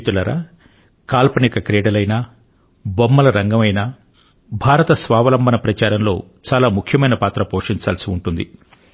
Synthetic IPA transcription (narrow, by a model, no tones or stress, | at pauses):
t̪ulɐɾɐ̰ | kaːlpɐneːkɐkɾeːɽɐlɐjnaː | bomːɐlɐɾɐŋɡɐmɐjna | bʱaːɾɐt̪ɐsʋaːʋɐlɐmbʱɐnɐpɾɐt͡ʃaːɾɐmlo̞ː | t͡ʃaːlaːmukʰjɐmɐjnɐpaːt̪ɾɐpoːʂiɲt͡ʃaːlɐsiuɳʈund̪ḭ